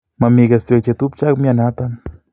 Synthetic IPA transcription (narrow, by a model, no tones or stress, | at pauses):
mamiɡest̪ekt͡ʃet̪up̚t͡ʃakmianat̪an